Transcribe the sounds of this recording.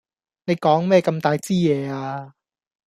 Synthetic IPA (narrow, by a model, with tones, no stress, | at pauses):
ne˧jkɔː˨˥ŋmɛː˥˩ka˧mt̪aː˧jt͡siː˥˩ɛː˨˧˩aː˧